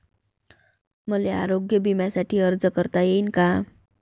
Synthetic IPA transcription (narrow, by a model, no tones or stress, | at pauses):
məlea̰ɾoɡjəbimjasaʈʰiːəɾd͡zəkəɾt̪ajeinka